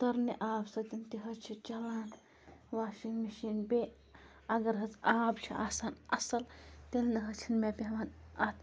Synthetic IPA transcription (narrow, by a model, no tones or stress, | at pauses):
t̪ɐɾniʔaːbsɐt̪int̪iɦɐt͡ʃʰit͡ʃɐlaːn | ʋaːʃiŋɡmiʃiːnbe | ɐɡɐɾɦɐt͡saːbt͡ʃʰiʔa̰ːsaːnɐsɐlt̪elnɨɦɐt͡ʃʰinmʲepʲeʋaːnɐt̪ʰ